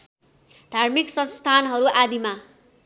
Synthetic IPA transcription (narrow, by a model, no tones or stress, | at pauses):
d̪ʱarmiksʌnst̪ʰanɦʌɾuʔad̪ima